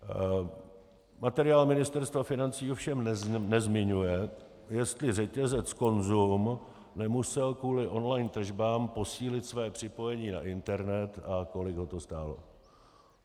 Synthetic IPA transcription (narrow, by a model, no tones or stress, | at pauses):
mat̪ɛɾɪaːlmɪnɪst̪ɛɾst̪vafɪnant͡siːofʃɛmnɛzmɪɲujɛ | jɛst̪lɪrɛcɛzɛt͡sko̞nzum | nɛmusɛlkuːlɪʔo̞nlajnt̪r̩ʒbaːmpo̞siːlɪt̪svɛːpr̝̥ɪpo̞jɛɲiːna̰ʔɪnt̪ɛɾnɛt̪ako̞lɪɡɦo̞t̪o̞st̪aːlo̞̰